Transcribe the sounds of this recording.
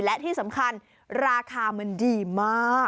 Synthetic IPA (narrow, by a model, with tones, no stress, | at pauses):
lɛ˦˥ʔt̪ʰiː˥˩sa˩˦mkʰa˧n | ɾaː˧kʰaː˧ma˧ndiː˧maː˥˩